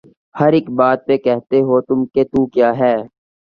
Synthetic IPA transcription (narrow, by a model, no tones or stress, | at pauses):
hɐɾɪkbaːt̪̚pekɛɦt̪eɦot̪ʊmket̪uːkjaːɦɛː